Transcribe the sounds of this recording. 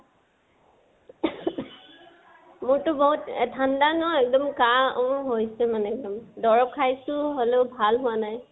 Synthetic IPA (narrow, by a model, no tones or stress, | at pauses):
mʊɹtʊboɦutɛ̰tʰandanɔɛk̚dɔmkaɦojsɛmanɛɛk̚dɔmdɔɹɔp̚kʰajsʊɦoleʊbʱalɦʊwanaj